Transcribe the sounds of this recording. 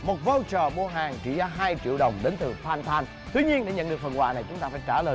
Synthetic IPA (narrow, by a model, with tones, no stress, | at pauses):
mo˨˩t̚vo˧wt͡ɕəː˨˩ɓo˧ɦaː˨˩ŋt͡ɕḭ˧˩˨zaː˧ɦaː˧jt͡ɕḭ˧˨əwɗə˨˩wŋ͡mɗe˨˦nt̪ɨ˨˩faː˧˩nt̪ʰaː˧n | t̪wi˧ɲi˧ənɗe˧˩ɲə̰˧˨nɗɨ˨˩ək̚fə˨˩nwa̰ː˧˨na˨˩jt͡ɕʊ˨˦ŋ͡mt̪aː˧faː˧˩jt͡ɕaː˧˩ləː˨˩